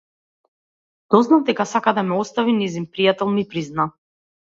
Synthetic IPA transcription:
d̪̥ɔznavd̪ɛkasakad̪amɛɔst̪avinɛzinpɾijat̪ɛlˠmipɾizna

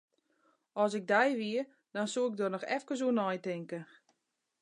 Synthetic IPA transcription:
ɔsɪɡ̚dɛjʋiə | d̥ɔnsuɪɡ̚donɔxɛ̰fkəs̬uənɔjtɪŋkə

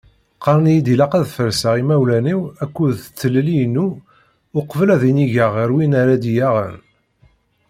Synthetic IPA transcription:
qɑɾˤnjid̪ilɑqæðfəɾsaʁimæwlæniwækʷːuðt͡sːələliənːu | ʊqvəlæðiniʝəʁəɾwinaɾæd̪ijaʁə̰n

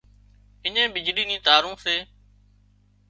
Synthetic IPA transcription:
ɪɲẽːbɪd͡ʒɽiːnĩːt̪aːɾũːseː

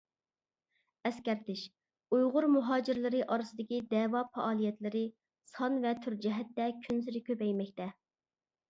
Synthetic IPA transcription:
ɛskʲɛɾt̪ɪʃ | ujʁʊɾmuɦɑːd͡ʒɪɾlɪɾɪʔɑɾɨsɨd̪ɪkʲid̪ɛːwɑpʰɛʔɑːlˠijɛt̪lɪɾɪ | sɑnvɛt̪ʰyɾd͡ʒɛɦɛt̪ːɛkʲʰynsɪɾɪkʲøpɛjmɛkʲt̪ɛ

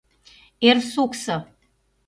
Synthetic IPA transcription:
ersuksə

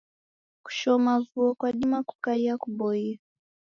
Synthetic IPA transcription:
ku̥ʃɔmavuɔkwaɗimaku̥kaiakuɓɔia

